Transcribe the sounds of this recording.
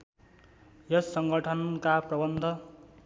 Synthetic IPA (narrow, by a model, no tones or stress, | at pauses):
jʌsːʌŋɡʌʈʰʌnkaprʌbʌnd̪ʱʌ